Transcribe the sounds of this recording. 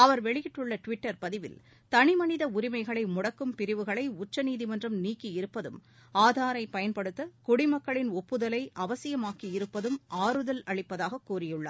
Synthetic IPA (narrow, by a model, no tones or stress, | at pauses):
ɐʋɐɾʋɛɭɪjɪʈːɯɭːɐʈʋɪʈːɐɾpɐðɪʋɪ̰l | t̪ɐɳɪmɐnɪðɐʊɾɪmɐɪɣɐɭɐɪmʊɽɐkːɯmpɪɾɪʋɯɣɐɭɐɪʊt͡ʃːɐniːðimɐndrɯmniːkːiɪɾɯpːɐðɯ̰maːðaːɾɐɪpɐjɐnpɐɽɯt̪ːɐkʊɽɪmɐkːɐɭɪnɔpːɯðɐlɐɪʔɐʋɐsɪjɐmaːkiɪɾɯpːɐðɯmaːɾɯðɐlɐɭɪpːɐðaːɣɐkːuːrɪjɯɭːɐ̰ːɾ